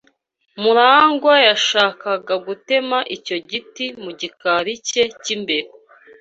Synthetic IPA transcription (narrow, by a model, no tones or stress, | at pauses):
muɾaːŋɡwajaʃaːkaɡaɡute̞maʔico̞ɟitimuɟikaɾice̞cimbe̞ɾe